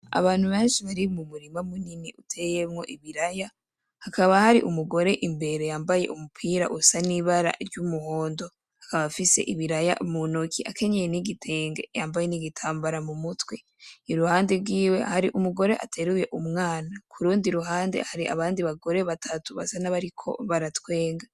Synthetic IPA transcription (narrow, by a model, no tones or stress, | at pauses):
a̰βaːn̥huβe̞ːnʃiβaɾimumuɾimamuniniʔutʰe̞je̞mŋo̞̰ʔiβiɾaja | hakaβahaɾḭʔumuɡo̞ɾe̞ʔimbe̞ɾe̞jaːmbaje̞̰ʔumupʰiɾa̰ʔusaniβaɾa̰ɾɟumuho̞ːndo̞ | hḁkaβafise̞̰ʔiβiɾaja̰ʔmunokʰiʔa̰kʰe̞ɲejeniɡitʰe̞ːŋɡe̞̰jaːmbaje̞niɡitʰaːmbaɾamumutwe̞ | iɾuhaːndebɡwiːwe̞̰haɾiʔumuɡo̞ɾe̞ʔa̰tʰe̞ɾuje̞ʔumŋaːnakʰuɾuːndiɾuɦaːnde̞̰haɾiʔa̰βaːndiβaɡo̞ɾe̞βatʰatuβa̰sanaβaɾikʰo̞̰βaɾatwe̞ːŋɡa